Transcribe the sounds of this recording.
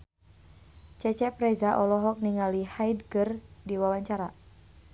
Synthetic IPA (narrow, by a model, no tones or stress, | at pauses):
t͡ʃɛt͡ʃɛpɾɛzaʔɔlɔɦɔk̚niŋalihajdkərdiwawaɲt͡ʃaɾa